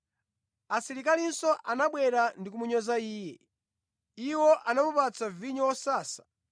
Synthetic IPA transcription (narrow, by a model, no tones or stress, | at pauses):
asiɾikalinsɔʔanaɓwɛɾandik̬umuɲɔzaiːjɛ | iwɔʔanamupat͡saviɲɔwɔsaːsḁ